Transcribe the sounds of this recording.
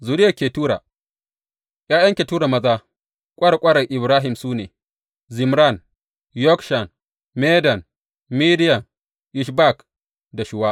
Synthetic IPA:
zuː˨ɾɪ˦ja˨kʲeː˨tuː˦ɾa̰ː˨ | jaː˦jɐ˦ŋkʲe˨tuː˦ɽa˨mɐ˦zaː˦ | kʷʼɐ˦ɽa˨kʷʼɐ˦ɽɐ˨ʔɪ˨bɾaː˦ɦɪ˨msuː˦neː˨ | zɪ˨mɾa˦˨n | jɔ˦kʃa˨n | meː˦dɐ˨n | mi˦dɪ˦jɐ˨ŋ | ʔɪ˨ʃba˦˨k | da˨ʃɪ˦waː˦

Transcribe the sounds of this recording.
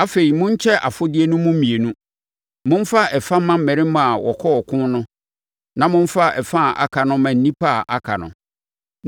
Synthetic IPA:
a˦fe˨ɾi˨mʊ̃˦ɲ˦t͡ɕʰɛ˦ʔa̰˨fʊ˦dɪ˦e˦nũ˦mʊ̃˦m̩˦mĩ˨e˨nũ˦ | mʊ̃˦n̩˦fa˦ɛ˨fã˦mã˦m̩˦˨ɛ̃˨ɾɪ̃˦mã˦a˨wɔ˨kʰɔ˦ɔ˨kʰʊ̃˦nnʊ̃˦ | nã˨mʊ̃˦ɱ˦fa˦ɛ˨fã˦˨ʔa̰˨kʰa˨nʊ̃˦mã˨n̩˦nĩ˦pʰa˦˨ʔa˨kʰa̰˨nʊ̰̃˨

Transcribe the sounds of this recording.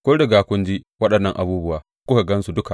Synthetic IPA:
kʷoː˦dɐ˨ɡaː˨kʷʊ˦nd͡ʒiː˦wɐ˦ɗɐ˨nːɐ˦ŋʔa˨buː˦bʊ˦waː˨ | kʷʊ˦e˨ɡɐ˦nsu˨dʊ˦ka˨

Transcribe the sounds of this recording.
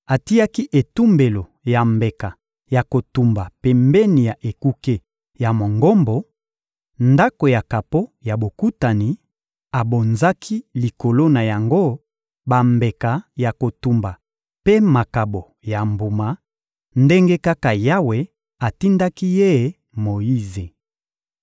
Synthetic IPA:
a˨ti˦a˦ki˦ʔe˨tu˦mbe˨lo˨ | ja˨mbe˨ka˨ | ja˨ko˨tu˨mba˨pɛ˨mbɛ˦ni˨ja˨ʔe˨ku˦ke˦ | ja˨mo˨ŋɡo˦mbo˨ | nda˦ko˨ja˨ka˨po˦ja˨bo˨ku˦ta˨ni˨ | a˨bo˨nza˦kʰi˦li˨ko˨lo˦na˨ja˨ŋɡo˦ | ba˨mbe˨ka˨ja˨ko˨tu˨mba˨ | pe˦ma˨ka˨bo˨ | ja˨mbu˨ma˨ | nde˦ŋɡe˦ka˦ka˨ja˦we˨ | a˨ti˦nda˦ki˦je˦˨˦ | mo˨ji˦ze˨

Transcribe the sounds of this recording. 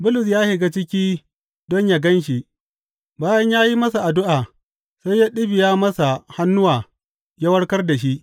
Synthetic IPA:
bʊ˦lʊ˨s̬jaː˦he˨ɡa˦t͡ʃɪ˦kʲiː˦ | dɔ˦ɲja˨ɡɐ˦nʃ̬i˨ʔ | baː˦jɐ˦ɲjaː˦ji˦mɐ˦sa˨ʔa˨dʊ˦ʔaː˨ | sa˦jaː˦ɗɪ˦bɪ˨jaː˦mɐ˦sa˨ha˦nːʊ˦waː˨ | ja˦wɐ˦ɽkɐ˦rda˨ʃ̬i˦ʔ

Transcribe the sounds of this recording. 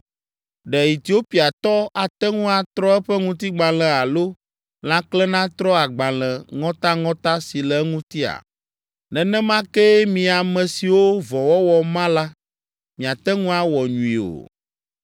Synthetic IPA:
ɖɛ˨i˨t̪i˨˦o˦pi˨a˨t̪ɔ˦a˨t̪ɛ˦ŋũ˦a˨t̪ɾɔ˦ɛ˦ɸɛ˦ŋũ˦t̪i˦ɡ͡bã˨lɛ̃˨a˨lo˦ | l̃ã˦klɛ˦nã˦t̪ɾɔ˦a˨ɡ͡bã˨lɛ̃˨ŋɔ̃˦t̪a˦ŋɔ̃˦t̪a˦si˨lɛ˨˦ŋũ˦t̪i˦a̰˨ | nɛ̃˨nɛ̃˦mã˦kɛ˦mĩ˨a˨mɛ̃˨si˨wo˦vɔ˨wɔ˦wɔ˨mã˦la˦ | mĩ˨a˨t̪ɛ˦ŋũ˦a˦wɔ˨ɲũ˨i˨o̰˨

